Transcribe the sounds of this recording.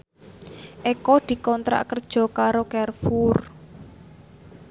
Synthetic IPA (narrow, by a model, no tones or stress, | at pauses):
ʔekɔd̪̥i̤kɔnt̪ɾa̰ʔkərd̥ʒ̥ɔ̤kaɾokɛrfur